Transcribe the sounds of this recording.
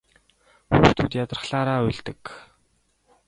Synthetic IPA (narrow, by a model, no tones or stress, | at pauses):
xuːxt̪ʰuːt̪jat̪rə̆χɬaːɾaːʊɮt̪ɘ̆k